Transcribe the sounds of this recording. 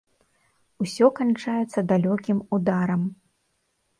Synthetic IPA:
usʲɔkant͡ʂajɛt̪sːɐd̪alʲɔkʲimud̪aɾɐm

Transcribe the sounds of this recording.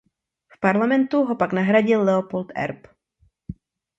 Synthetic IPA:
fpaɾlamɛnt̪uɦo̞paknaɦɾaɟɪlːɛopolt̪ɛ̰ɾp

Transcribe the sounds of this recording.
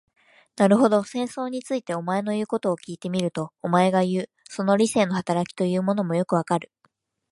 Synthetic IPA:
naɾɯ̟ɦo̞d̪o̞sẽ̞ɰ̃so̞ːɲ̟it͡sɨit̪e̞o̞mae̞no̞jɯ̟ːko̞t̪o̞ːkʲiːt̪e̞mʲiɾɯ̟t̪o̞ːmae̞ɡajɯ̟ː | so̞no̞ɾʲise̞ːno̞hat̪aɾakʲi̥t̪o̞jɯ̟ːmo̞no̞mo̞jo̞kɯ̟βakaɾɯ̟̥

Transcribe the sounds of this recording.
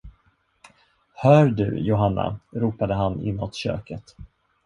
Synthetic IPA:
hœːɾɖɵ̰jʊɦanːa̰ɾuːpad̪əɦanɪ̰nːɔt̪ɕø̰ːkət̪

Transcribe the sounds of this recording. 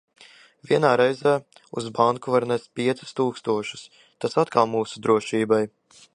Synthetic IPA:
vʲiɛnaːɾɛjzæː | uzbaŋkuvaɾnɛst̪̚ʲpiɛt̪su̥st̪uːkst̪uɔʃu̥s | t̪asat̪kalˠmuːsud̪ɾuɔʃiːbaj

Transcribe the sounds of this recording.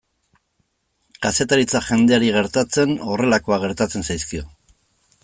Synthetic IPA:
kase̞t̪aɾit͡saʝe̞nd̪e̞aɾiɣ̞e̞ɾt̪at͡se̞no̞re̞lako̞aɣ̞e̞ɾt̪at͡se̞nsajskio̞

